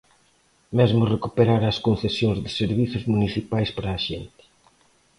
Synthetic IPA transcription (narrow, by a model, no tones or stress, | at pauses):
mɛzmʊrekupeɾaɾaɐskonθesjõŋzðɪseɾβiθʊzmuniθipajspaɾɐːʃɛnt̪ɪ̥